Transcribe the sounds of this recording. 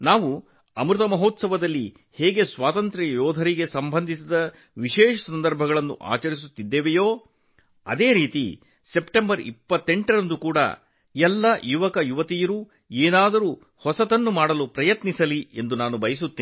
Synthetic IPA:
naːʋu | ɐmɾut̪ɐmɐɦoːt̪sɐʋɐd̪ɐlːi | heːɡe̞sʋaːt̪ɐnt̪ɾɐjɔːd̪ʱɐɾiɡe̞sɐmbʱɐnd̪ʱisid̪ɐ | ʋiʃɛːʃɐsɐnd̪ɐɾbʱɐɡɐɭɐnːṵʔa̰ːt͡ʃɐɾis̬ut̪ːid̪ːeːʋejoː | ɐd̪e̞ːɾiːt̪ḭ | se̞pʈembɐɾḭpːɐt̪ːeɳʈɐɾɐnd̪ukuːɽɐ̰ | ɛlːɐjuʋɐkɐjuʋɐt̪ijɐɾuː | eːnaːd̪ɐɾuː | hɔsɐt̪ɐnːumaːɽɐlupɾɐjɐt̪nisɐliend̪unaːnubɐjɐsut̪ːiː

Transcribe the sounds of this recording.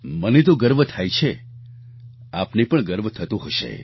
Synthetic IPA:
mənet̪oɡəɾʋət̪ʰajt͡ʃʰe | apnipəɳɡəɾʋət̪ʰət̪ũɦoʃḛ

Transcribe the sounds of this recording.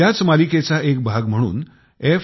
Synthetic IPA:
jat͡smaliket͡saʔek̚bʱaɡm̤əɽ̃ṵːn | e

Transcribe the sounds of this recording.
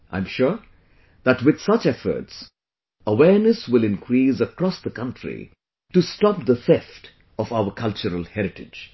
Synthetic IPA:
ʔã̰ɪ̃mʃʊɹ | ðæʈwɪd̪̥sʌt͡ʃɛfə̰˞ts | əwɛɹnəswɪlɪ̃nkʰɾiːsəkɾɔsd̪əkʌ̃ntʰɹḭ | ʈustɔp̚d̪əθɛfʈ | ɔfaʊəkʰʌlt͡ʃəɾəlˠhɛɾɪʈɪd͡ʒ

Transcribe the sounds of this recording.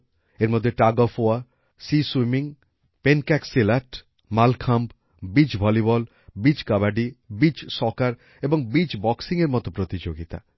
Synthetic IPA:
eɾmod̪ʱːeʈaɡofoa | siswimiŋ | penkɛksilaʈ | malkʰamb | bid͡ʑbʱɔlibɔl | bid͡ʑkabaɖibid͡ʑʃɔkaɾ | eboŋbid͡ʑbɔksiŋeɾmɔt̪opɾot̪id͡ʑoɡit̪a̰

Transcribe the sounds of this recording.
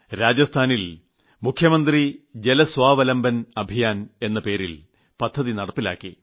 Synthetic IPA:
ɾaːd͡ʑɐst̪ʰaːnil | mukʰjɐmɐnd̪rid͡ʑe̞lɐsʋaːʋɐlɐmbɐnɐbʱijaːne̞nːɐpe̞ːɾil | pɐd̪ʱːɐðinɐɽɐpːila̰ːkːḭ

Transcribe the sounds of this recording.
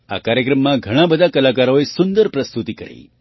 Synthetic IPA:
a̰kaɾjəkɾəmːãɡʱəɽ̃ãbəd̪ʱakəlakaɾoesʊnd̪əɾpɾəst̪ut̪ikəɾḛi

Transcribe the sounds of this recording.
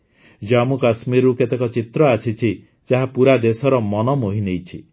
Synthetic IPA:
d͡ʒamukasmiɾuket̪ekɔt͡ʃit̪ɾɔasit͡ʃʰi | t͡ʃaɦapuɾad̪esɔɾɔmɔnɔmoɦinejt͡ʃʰi

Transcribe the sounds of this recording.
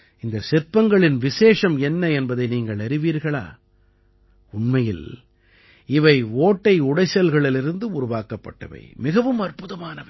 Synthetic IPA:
ɪnd̪ɐsɛɾpːɐŋɡɐɭɪnʋɪseːʂɐmɛnːɐɛnbɐðɐɪniːŋɡɐɭɐɾɪʋiːɾɣɐɭa̰ː | ʊnmɐjɪ̰l | ɪʋɐɪoːʈːɐɪʊɽɐɪsɐlɣɐɭɪlɪɾɯnd̪ɯʊɾʊʋaːkɐpːɐ̰ʈːɐ̰ʋɐ̰ɪmɪɣɐʋɯmɐrpɯðɐmaːnɐ

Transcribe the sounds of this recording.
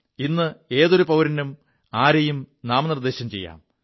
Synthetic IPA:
inːɨe̞ːðoɾupɐʋɾɐnum | aːɾɐjumnaːmnird̪e̞ːɕɐmt͡ɕe̞̰jːa̰ːm

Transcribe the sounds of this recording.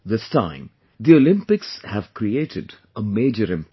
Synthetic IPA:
d̪ɪstã̰ɪ̃m | d̪iolɪ̃mpɪkshæv̥kɾieːʈʰɪɖ | əmeːd͡ʒəɾɪ̃mp

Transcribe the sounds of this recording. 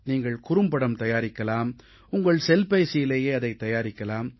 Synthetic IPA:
niːŋɡɐɭkʊɾɯmpɐɽɐmt̪ɐjaːɾɪkːɐlaːm | ʊŋɡɐɭsɛlpɐɪsɪjɪleːjeːɐðɐɪt̪ːɐjaːɾɪkːɐlaːm

